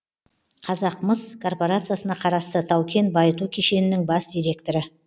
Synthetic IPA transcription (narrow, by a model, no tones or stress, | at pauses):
qʰɑzɑqməzkʰo̞rpo̞ɾat̪sɨjasənɑqʰɑɾɑst̪ət̪ʰɑwkʲe̞nbɑjət̪ukʲʰeʃe̞nɪnɪŋbɑsd̪ʲijɾe̞k̚t̪o̞ɾə